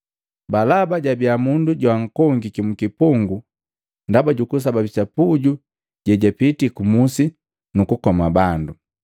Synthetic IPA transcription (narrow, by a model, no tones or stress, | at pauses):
balabaɟabiamunduɟwaŋ̩kɔŋɡikimukipuŋɡu | ndabaɟukus̬ababit͡ʃapuɟu | ɟɛɟapitikumusi | nukukɔmabandu